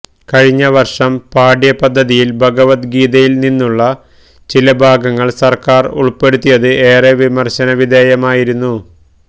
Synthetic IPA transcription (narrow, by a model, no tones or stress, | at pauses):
kɐɻiɲːɐʋɐrʂɐmpaːɖjɐpɐd̪ʱːɐðijilbʱɐɡɐʋɐt̪ɡiːðɐjilninːuɭːɐ | t͡ɕilɐbʱaːɡɐŋːɐɭsɐrkaːrṵɭpːe̞ɽut̪ːijɐðɨʔe̞ːreʋimɐrɕɐnɐʋid̪ʱeːjɐmaːjiɾunːu